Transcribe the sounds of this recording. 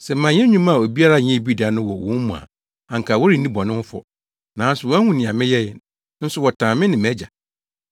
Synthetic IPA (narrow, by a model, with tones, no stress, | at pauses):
sɛ˨˦mã˨ɲɛ̃˦ɲũ˦ma˨o˨bi˦a˦ɾa˦ɲɛ̃˦˨bi˦da˨nʊ̃˦wɔ˨wɔ̰̃˨˦mũ˨a̰˨ | ã˨ŋ̩˨kʰa˨wɔ˦ɾi˦˨nĩ˦bɔ˨nɪ̃˦fɔ̰˨ | nã˨˦n˦sʊ˨wɔ˦hũ˨nɪ̃˨ã˨mɪ̃˦jɛ˦jɛ˨˦ | n̩˦sʊ˦˨wɔ˨tʰãː˨mɪ̃˦nɪ̃˨mæ˦d͡ʑa˨